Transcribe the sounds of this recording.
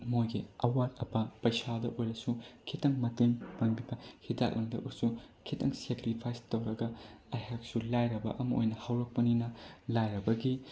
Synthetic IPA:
mojɡiɐwatɐpɐpɐjsadɐʔojɾɐsukʰitɐŋmɐteŋpɐŋbibɐhida̰k̚lʔɐŋdɐʔuɾsukʰitɐ̰ŋsekɾipʰajstɐwɾɐɡɐɐjɦak̚sulajɾɐbɐ̰ʔɐmɐʔo̰jnɐhɐwɾɐk̚pɐninɐlajɾɐbɐɡi

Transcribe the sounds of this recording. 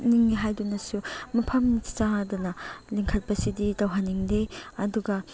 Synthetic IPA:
niŋniɦajdunɐsumɐpʰɐmnitsaŋadunɐliŋkʰɐt̚pɐsididɐwɦanːiŋdeɐduɡɐ

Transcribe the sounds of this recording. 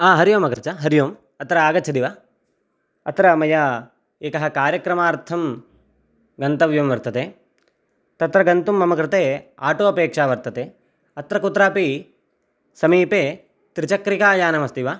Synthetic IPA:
aːɦɐɾjoːmɐkɾɪt͡ʃʰɐɦɐɾijoːm | ɐt̪ɾɐaːɡɐt͡ʃʰɐd̪iʋaː | ɐt̪ɾɐmɐjɐ | eːkɐɦɐkaːɾjɐkɾɐmaːɾt̪ʰɐm | ɡɐnt̪ɐʋjɐmʋɐɾt̪ɐt̪eː | t̪ɐt̪ɾɐɡɐnt̪umːɐmɐkɾɪt̪eːa̰ːʈoːɐpeːkʂaːʋɐɾt̪ɐt̪eː | ɐt̪ɾɐkut̪ɾaːpi | sɐmiːpeː | t̪ɾit͡ʃɐkɾikaːjaːnɐmɐst̪iʋaː

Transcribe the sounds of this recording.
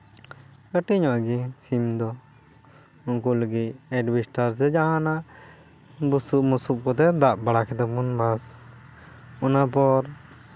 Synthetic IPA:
kəʈiɲɔʔaɡisimd̪ɔ | unkuləɡit̪ɛɖbisʈaɾs̬ɛd͡ʒaɦãnaʔ | busuʔmusup̚kɔt̪ɛd̪aʔbaɽakʰɛt̪ɛmunbas | ɔnapɔɾ

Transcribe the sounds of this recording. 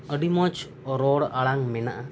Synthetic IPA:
əɖimɔt͡ʃ | ɔɾɔɽaɭaŋmɛnaʔa

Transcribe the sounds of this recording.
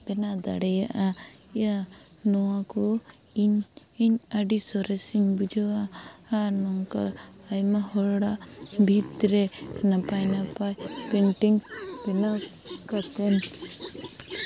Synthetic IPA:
bɛnad̪a̰ɽɛjaʔaija | nɔwakɔ | iɲ | iɲaɖisɔɾɛsiɲbud͡ʒawa | anɔŋkaː | jmahɔɾɽabʱit̪ɾɛnapajnapajpɛnʈiŋbɛna | kat̪ɛn

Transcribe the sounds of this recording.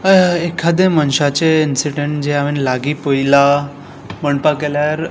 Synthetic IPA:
ekʰad̪ẽmənɕat͡ɕeinsiɖeɳʈd͡ʑeaʋinlaɡiːpoila | məɳpakeljaɾ

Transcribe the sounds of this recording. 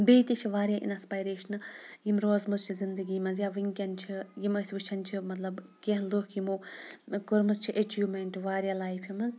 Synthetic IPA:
beːt̪ʲit͡ʃʰiʋaːɾʲjaːʔḭnɐspaːjɾeːʃɐnɨjimɾoːzmɐzt͡ʃʰizind̪ɨɡiːmɐnzjaʋɨŋkʲɐnt͡ʃʰijimɐsʲʋɨt͡ʃʰɐnt͡ʃʰimɐt̪lɐbkeɦlukʰjimoːkuɾmɨzt͡ʃʰiʔet͡ʃʰjumɐɳʈʋaːɾjaːlaːjpʰjimɐnz

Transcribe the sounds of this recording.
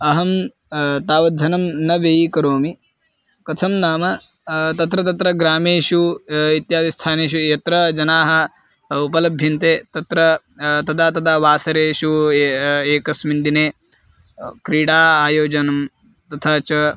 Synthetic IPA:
ɐɦɐm | t̪aːʋɐd̪ʱːɐnɐmnɐʋeːikɐɾoːmi | kɐt̪ʰɐmnaːmɐ | t̪ɐt̪ɾɐt̪ɐt̪ɾɐɡɾaːmeːʃuit̪jaːd̪ist̪ʰaːneːʃ̬ujɐt̪ɾɐd͡ʒɐnaːɦɐ | upɐlɐbʱjɐnt̪eːt̪ɐt̪ɾɐ | t̪ɐd̪aːt̪ɐd̪aːʋaːsɐɾeːʃu | eːkɐsmind̪ineː | kɾiːɽaːaːjoːd͡ʒɐnɐm | t̪ɐt̪ʰaːt͡ʃɐ

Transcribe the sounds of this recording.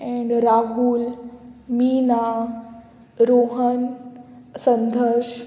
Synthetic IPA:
ɛ̃ɳɖɾaɦulmiːna | ɾoɦən | sə̃nd̪ʱəɾʃ

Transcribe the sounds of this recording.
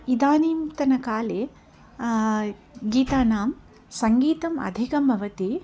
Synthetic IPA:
id̪aːniːmt̪ɐnɐkaːleː | ɡiːt̪aːnaːm | sɐŋɡiːt̪ɐmɐ̰d̪ʱikɐmbʱɐʋɐt̪i

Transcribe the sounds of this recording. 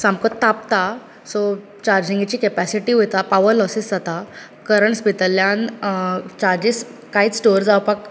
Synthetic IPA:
sãmkət̪t̪ːap̚t̪a | sɔ | t͡ɕaɾd͡ʑĩŋɡit͡ɕiːkepæsiʈiːɦojt̪apaʋəɾlɔsisd͡zat̪a | kəɾəɳspit̪əljan | t͡ɕaɾd͡ʑis | kaɦiːt͡ssʈoɾd͡zawpak

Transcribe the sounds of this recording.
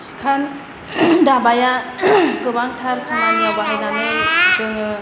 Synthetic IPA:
si̥kʰan | dabajakɯbaŋtʰaɾkʰaŋanabaɦajnanɯjzɯŋɯ

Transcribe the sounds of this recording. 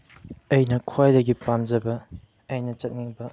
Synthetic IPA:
ɐjnɐkʰwajdɐɡipamd͡ʒɐbɐ | ɐjnɐt͡ʃɐt̚ŋiŋbɐ

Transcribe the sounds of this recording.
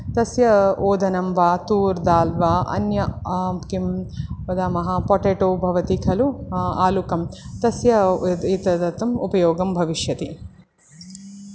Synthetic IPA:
t̪ɐsjɐoːd̪ʱɐnɐmʋaːt̪uːɾd̪aːlʋaʔɐ̰njɐmkimɐd̪aːmɐɦɐpoʈeːʈoːbʱɐʋɐt̪ikʰɐluaːlukɐmt̪ɐsjɐit̪ɐt̪ɐt̪ɐmupɐjoːɡɐmbʱɐʋiʃjɐt̪i

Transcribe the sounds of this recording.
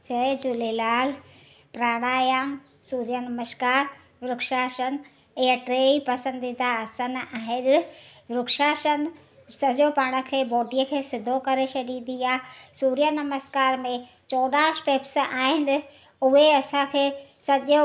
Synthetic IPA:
t͡ʃɐed͡ʑʊlelaːl | pɾaːɽ̃aːjəm | suːɾijənɐməʃkaːɾ | ʋɾʊkʃaːʃən | ɪɦəʈɾeːipɐsə̃nd̪id̪aɐsənaːɦɪɗʋɾʊkʃaːʃən | sɐʄopaːɽ̃ə̆kʰeːbɔːɖijəkʰeːsɪd̪ʱokɐɾet͡ʃʰɐɗid̪iaːsuːɾijənɐməskaːɾmẽ | t͡ɕɔːɗaːsʈeːpsaːɦɪn | ʊɦeɐsãkʰeːsɐʄo

